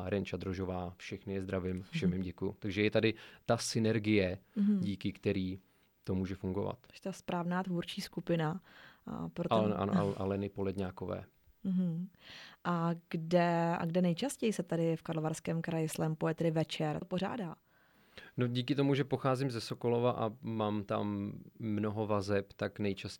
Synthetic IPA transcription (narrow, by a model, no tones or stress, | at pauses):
ɾɛnt͡ʃad̪ɾoʒovaːfʃɛxnɪjɛzd̪ɾavɪmfʃɛmjɪmɟɛkujʊ̰t̪aɡʒɛjɛt̪adɪt̪asɪnɛɾɡɪjɛɟiːkɪkt̪ɛɾiː | t̪omuːʒɛfuŋɡo̞va̰t̪t̪aspɾaːvnaːt̪vuːɾt͡ʃiːskupɪna̰ | pɾoɛ̰ʔa̰noʔa̰ʔa̰lɛnɪpolɛdɲaːkovɛ̰ː | ɦ̩ʔaɡ̥dɛa̰ɡdɛnɛjt͡ʃascɛjɪsɛt̪adɪfkaɾloaɾskɛːmkɾajɪslɛːmpojɛt̪ɛdɪvɛt͡ʃɛɾpor̝a̰ːdaː | noɟiːkɪt̪omuʒɛpo̞xaːzɪmzɛsoko̞lo̞vaʔamaːmt̪a̰mːnoɦo̞vazɛpt̪aknɛjt͡ʃas